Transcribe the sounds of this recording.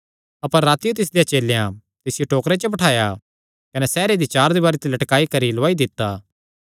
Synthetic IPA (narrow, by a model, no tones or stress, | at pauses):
ɐpəɾːaːt̪ijot̪ɪs̬d̪ejat͡ʃeːlejã | t̪ɪsɪjoʈoːkɾet͡ʃəbɐʈʰaːja | kɐnɛsɛːɾed̪it͡ʃaːɾd̪iβaːɾet̪ilɐʈkaːikɐɾiloʋaːid̪ɪt̪ːaː